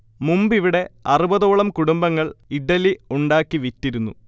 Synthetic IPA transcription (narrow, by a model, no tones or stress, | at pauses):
mumbiʋiɽe̞ɐrubɐðo̞ːɭɐmkuɽumbɐŋːɐɭiɖɐliuɳɖaːkːiʋitːiɾunːṵ